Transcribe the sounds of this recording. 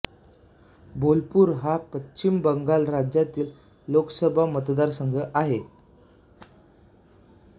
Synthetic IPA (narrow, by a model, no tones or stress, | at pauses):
bolpuːɾɦapətːɕimbəŋɡalɾad͡ʑjat̪iːl | loksəbʱamət̪d̪aɾsəŋɡʱəʔaɦe